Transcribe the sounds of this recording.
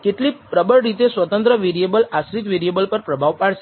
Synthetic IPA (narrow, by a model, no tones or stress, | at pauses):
keʈlipɾəbəɭɾit̪esʋət̪ə̃nt̪ɾəʋeɾijebəlasɾit̪ʋeɾiebəlpəɾpɾəbʱaʋpaɭʃe